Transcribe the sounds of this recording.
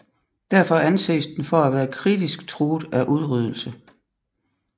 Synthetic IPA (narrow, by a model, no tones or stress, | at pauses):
d̥æɐfɒænsḛːsd̥enfɒæʋæːɐkʰʁid̥isɡ̥t͡sʰʁoːd̥ˠæʔuð̞ˠʁyð̞ˠl̩sə